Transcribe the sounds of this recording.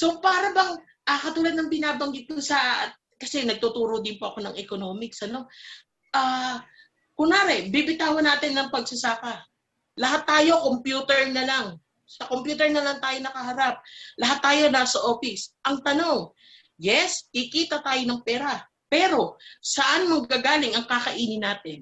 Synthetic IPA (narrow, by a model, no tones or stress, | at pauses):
so̞paːɾɐbɐŋ | ʔɐkɐt̪uːlɐd̪̚nɐŋpɪnaːbɐŋɡɪt̪̚kʊsɐ | kɐsɛnɐɡ̚t̪ut̪uːɾod̪ɪnpoʔɐko̞nɐŋɛkono̞ːmɪksʔɐno̞ | ʔaː | kʊŋnaɾɛbibɪt̪aːwonaːt̪ɪnːɐŋpɐɡ̚sɐsaːkɐ | lɐɦat̪ːaːjo̞kompjuːt̪ɛɹnɐlaŋ | sɐko̞mpjuːt̪ɛɹnɐlɐŋt̪aːjo̞nɐkɐɦɐɾap̚lɐɦat̪ːaːjo̞naːsɐʔo̞ːfɪsʔɐŋt̪ɐno̞ŋ | jɛskikiːt̪ɐt̪aːjo̞nɐŋpɛːɾɐ | pɛːɾo̞sɐʔanmɐɡ̚kaɡaːlɪŋɐŋkaːkɐʔiːnɪnaːt̪ɪn